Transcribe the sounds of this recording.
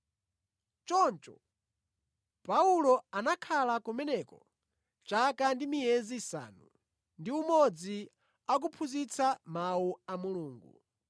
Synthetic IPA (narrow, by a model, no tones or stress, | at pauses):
t͡ʃɔnt͡ʃɔ̰ | paulɔanakʰalakumɛnɛkɔ̰ | t͡ʃakandimijɛzisa̰nu | ndiumɔd͡zi | ak̬upʰuzit͡sʰamauamuluːŋɡu